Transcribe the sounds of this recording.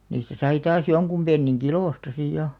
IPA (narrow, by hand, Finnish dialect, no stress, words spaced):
niːstæ sɑi tɑːs joŋkum b̥enːiŋ kiloˑstɑ siˑj jɑ